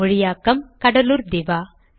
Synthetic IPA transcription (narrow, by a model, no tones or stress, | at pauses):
ɔɻijaːkɐmkɐɽɐluːɾd̪iʋaː